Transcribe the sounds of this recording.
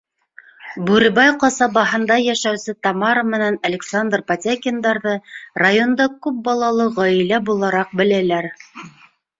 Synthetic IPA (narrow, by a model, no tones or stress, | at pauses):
bʉɾɘ̆βɑjqɑsɑbɑɦɤ̆nd̪ɑjæʃæwsɘt̪ɑmɑɾəmɘ̆nænɐlʲɪksand̪rpat̪ʲakʲɪnd̪ɑɾðɤrajo̞nd̪ɑkʉp̚bɑlˠɑlˠɤʁɒjɘ̆læbulˠɑɾɑq̚bɘ̆lælæɾ